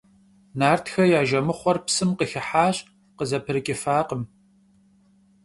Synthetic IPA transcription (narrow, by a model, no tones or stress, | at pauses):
naːrtʰxɐjaːʒɐmɨχʷɔrpsɨmqəxɪħaːɕʼ | qəzɐpʰɨɾɨkʲʼɪfaːqəm